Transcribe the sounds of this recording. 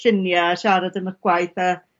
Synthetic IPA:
ɬɪnjaːʃaɾadənəɡ̥wajθə

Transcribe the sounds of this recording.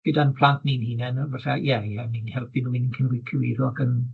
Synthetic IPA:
ɡ̥ədanpʰl̥ˠantʰninhiːnɛnɔvasajɛjɛninhɛlˠpinuinnkʰənwɪkʰuwirɔɡən

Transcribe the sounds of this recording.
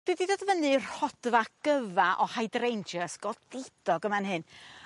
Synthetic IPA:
b̥ididoːdvənɨr̥hɔd̥vaɡ̥əvaʔɔhajdrejnd͡ʒəsɡ̥ɔdɪd̥ɔɡəmanɦɨn

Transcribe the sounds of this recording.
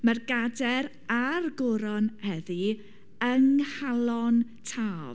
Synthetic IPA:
mərɡadɛɾ | arɡʊɾɔnhɛðɨ | əŋhalˠɔntʰaːv

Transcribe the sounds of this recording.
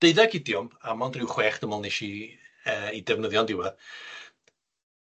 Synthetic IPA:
d̥eɨdaɡidjɔmamɔndrɪwχwɛːχd̥əmɔlˠneʃiəːidɛvnəðjɔndɪwɛð

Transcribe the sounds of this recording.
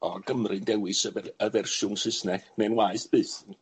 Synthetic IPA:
ɔɡ̥əmrɨndɛwɨsəvɛrəvɛrʃʊŋsɨsnɛnɛnwaːɨsb̥ɨːθ

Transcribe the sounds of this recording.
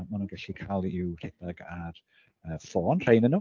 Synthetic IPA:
manunɡaɬikʰaːlˠɪwr̥ɛdaɡar | əːfɔːnr̥ejnənu

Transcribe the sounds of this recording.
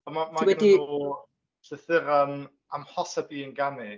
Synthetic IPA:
ɔmamawɛni | ɬɨθɪɾan | a̰mhɔsabiːənɡanɪ

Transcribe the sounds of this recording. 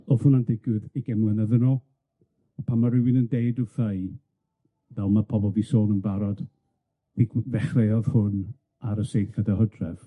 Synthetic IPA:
ɔð̥hʊnandɪɡwɨðiɡɛmlɛnəðənɔ | ɔpʰamːaɾɪwɪnəndeɨdɔθaj | vɛlˠmapʰɔbɔlˠvisoːnənbaɾɔd̥ | iɡvɛχreɔð̥hʊn | aɾəsejɬadahɔdrɛv̥

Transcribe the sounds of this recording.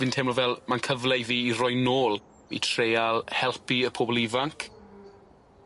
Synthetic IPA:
vɨntʰɛmɔvɛlˠmankʰəvlɛjviːiɾɔjnoːlˠ | ḭtʰrejalˠhɛlˠpiəpʰoːbɔlˠivaŋkʰ

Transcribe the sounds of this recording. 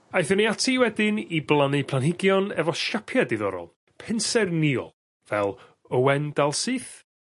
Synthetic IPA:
ajθəniatʰiwɛdɪniblˠanɨpʰl̥ˠanhɪɡjɔnɛvɔʃapʰjadɪðɔ̰ɾɔ̰lˠ | pʰɪnsɛrniɔ̰lˠ | vɛlˠ | əwɛndalˠsɨːθ

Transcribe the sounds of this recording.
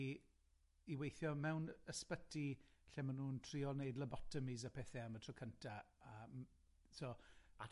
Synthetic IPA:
iwejθjɔmɛwnəspətʰiɬɛmanuːntʰriɔlˠnejdləbɔtʰəmizapʰɛθɛamətʰrɔkʰəntʰa | əːm | soa

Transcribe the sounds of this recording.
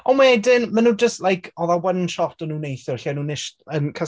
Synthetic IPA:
ɔnmwaɛdɪnmanuːd͡ʒəstlajkʰɔðawənʃɔtɔnuːnejθjɔrɬianunɪʃənkʰə

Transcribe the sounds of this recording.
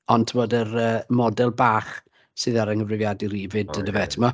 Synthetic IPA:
ɔntʰəmoːdərəːmɔdɛlˠbaːχ | sɨðaɾəŋəvrɪvjadiɾivɨdənəvɛtʰəmɔ

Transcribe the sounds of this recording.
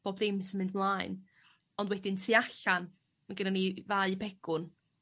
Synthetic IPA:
b̥oːbdemɪsənmɪndmlˠaːɨn | ɔndwɛdɪntʰiaɬan | maɡənanivaːɨbɛɡ̥ʊn

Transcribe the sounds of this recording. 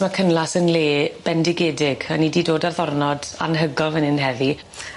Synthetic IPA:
makʰənlˠasənleːb̥ɛndɪɡeːdɪɡ̥anididoːdarðɔrnɔda̰nɦəɡɔlˠvənɪnɦɛði

